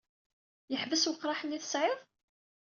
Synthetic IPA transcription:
jəħvəswəqːɾˤɑħənːiθəsʕɪðˤ

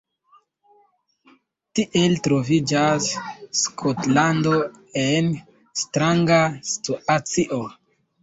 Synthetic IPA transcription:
tiʔe̞ltɾo̞vid͡ʒasːkʰotlando̞ | en | stɾaŋɡastuat͡siʔo

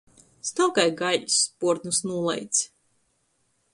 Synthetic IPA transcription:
snawkajɡaʎspuɔɾt̪nusnuɔlˠɛ̰jt̪s

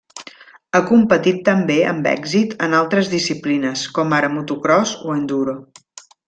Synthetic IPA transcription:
əkumpət̪it̪ːəmbeə̰mbɛ̰ɡzit̪ənalˠt̪ɾəzðisiplinəskɔmaɾəmut̪ukɾɔzuend̪uɾo

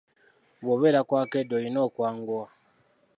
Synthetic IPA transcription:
βoβeːɾakwaːkedojinoːkwaːŋɡua

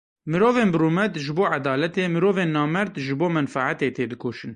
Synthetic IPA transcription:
mɨɾoːveːnbɨɾuːmɛt̪ʒɨboːʕad̪ɑːlɛt̪eːmɨɾoːveːnːɑːmɛɾd̪ʒɨboːmɛnfaʕat̪eːt̪ʰeːd̪ɨkoːʃɨn

